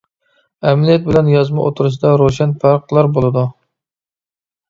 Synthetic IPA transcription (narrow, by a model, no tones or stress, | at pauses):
ɛmlijɛt̪̚bɪlɛnjɑzmɑʔot̪ʰuɾɨʃ̬id̪ɑɾoʃɛnpʰæɾqlˠɑɾbolˠɨd̪u